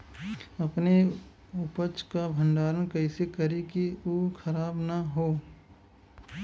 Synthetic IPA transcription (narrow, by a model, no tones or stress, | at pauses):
ɐpne | ʊpət͡ʃkabʱə̃ɳɖaːɾənkɐɪsekɐɾikiokʰɐɾaːbnaɦoː